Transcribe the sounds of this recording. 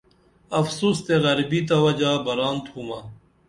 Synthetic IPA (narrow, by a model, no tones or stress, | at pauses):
ɐfsuːst̪eɣɐɾbit̪awɐd͡ʑaːbɐɾaːnt̪ʰuːmaː